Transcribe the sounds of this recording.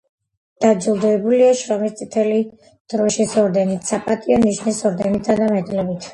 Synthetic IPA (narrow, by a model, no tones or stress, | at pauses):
d̪̥ad͡ʒilˠd̪ɔɛbuliaʃɾɔmist̪sʼit̪ʰɛli | d̪̥ɾɔʃisɔɾd̪ɛnit̪ʰsapʼat̪ʼiɔniʃnisɔɾd̪ɛnit̪ʰad̪amɛd̪ʼlɛbit̪ʰ